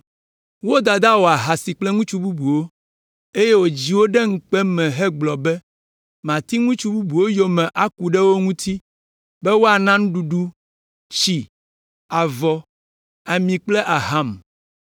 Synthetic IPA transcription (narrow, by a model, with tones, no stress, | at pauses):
wo˦d̪a˨d̪a˦wo˨a˨ɦa˨si˨k͡plɛ˦ŋũ˦t͡ʃu˦bu˦bu˨wo˦ | e˦je˦wo˨d͡ʑi˨wo˦ɖɛ˦ŋ̩˦k͡pɛ˦mɛ̃˨ɦɛ˦ɡ͡blɔ˨bɛ˦ | mã˨t̪i˦ŋũ˦t͡ʃu˦bu˦bu˨wo˦jo˨mɛ̃˨ʔa˨ku˨ɖɛ˦wo˦ŋũ˦t̪ʰi˦ | bɛ˦wo˦a˨nã˦ŋ̃˦ɖu˨ɖu˦ | t͡ɕi˨ | a˨vɔ˨ | a˨mĩ˨k͡plɛ˦ʔa˨ɦa˦m